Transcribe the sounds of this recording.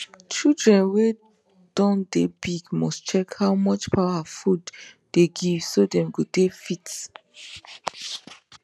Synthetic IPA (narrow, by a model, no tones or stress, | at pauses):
t͡ʃildɹɛ̃nwe | d̥ɔ̃ndebiɡmɔst͡ʃɛkhaʊmɔt͡ʃpʰaʊafud | d̥eɡivsodɛ̃mɡotefit